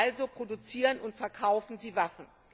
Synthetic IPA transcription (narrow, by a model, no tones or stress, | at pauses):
lzopʁ̥odut͡siːʁənʊntfɛɐkʰaʊfn̩ziːvafn̩